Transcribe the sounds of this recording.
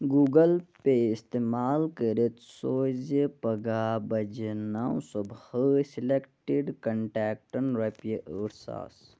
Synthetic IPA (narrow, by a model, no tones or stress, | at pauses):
ɡuːɡəlpeɪst̪emaːlkəɾet̪soːzepəɡabɐd͡ʒnaw̃sobhəsilekʈiɖkɐɳʈɛːk̚ʈənɾɐpjəʔəɾsa̰ːs